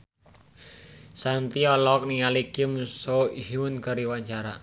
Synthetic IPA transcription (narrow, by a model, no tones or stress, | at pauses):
sant̪iɔlɔk̚nialikimsoiɦunkaɾiwaɲt͡ʃaɾa